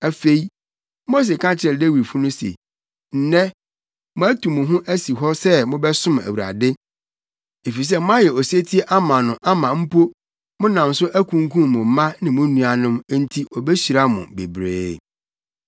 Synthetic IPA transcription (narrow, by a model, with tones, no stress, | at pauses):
æ˨fe˦i˦ | mo˦s̬e˨kʰã˦t͡ɕɪ˨˦ɛ˨de˦wi˨fu˦nʊ̃˦sḛ˨ | n̩˨nɛ̃˦ | mʊ̃˦æ˦tʰu˨mʊ̃˨ɦʊ̃˦ʔæ˦si˨ɦɔ˦sɛ˦mʊ̃˦bɛ˦sʊ̃˦mæ̰˨wu˨ɾa̰˨dɪ˦ | e˨fi˨s̬ɛ˦mʊ̃˦a˦jɛ˨ɔ˨se˦tʰi˦e˦ʔa˦mã˨nʊ̃˨ʔa˦mã˨m̩˦pʰo˦ | mʊ̃˦nã˨m˨sʊ˦ʔæ˦kʰũ˨ŋ˦kʰũ˦˨mʊ̃˨m̩˨˦mã˦nɪ̃˨mʊ̃˦nũ˨a˨nʊ̃˦m˦n̩˦tʰi˦ʔɔ˨be˦ɕi˨ɾa˦mʊ̰̃˨be˨bɾḛː˦